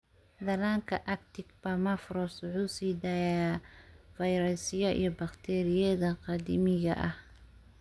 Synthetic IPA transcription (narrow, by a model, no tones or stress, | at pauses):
d̪ɐlaːŋkʰɐʔɐk̚t̪ʰɪɡbɐmɐfɾɔswʊħuːsiːd̪aːjafɐjɾɛsɪjɐʔḭjɞbɐqt̪ʰɛːɾɪjɛðɐqɑd̪imɪɣɐ̰ʔɐh